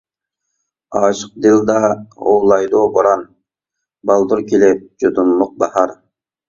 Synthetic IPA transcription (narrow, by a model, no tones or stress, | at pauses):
ɑːʃə̥q̚d̪ilˠd̪ɑo̰wlˠɑjd̪oːboɾɑn | bɑlˠd̪uɾkʲʰelɪp̚d͡ʒod̪unlˠʊq̚bɑhɑɾ